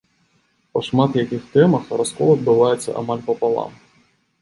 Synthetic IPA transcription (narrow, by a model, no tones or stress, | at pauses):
pɐʂmat̪jakʲixt̪ɛmɐxraskɔlˠɐd̪̚bɨvajɛt̪sːɐ̰ʔa̰malʲpɐpalˠa̰m